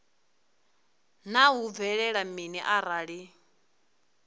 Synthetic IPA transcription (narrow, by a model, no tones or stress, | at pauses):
naɦub̪vɛɺɛɺaminiʔaɾaɺi